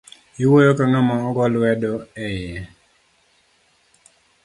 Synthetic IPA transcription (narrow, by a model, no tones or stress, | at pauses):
iwojokanɔmaːɡɔlwɛdɔɛjɛ